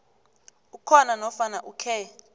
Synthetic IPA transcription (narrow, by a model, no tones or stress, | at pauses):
ukʰɔnanɔfanaʔukʰɛ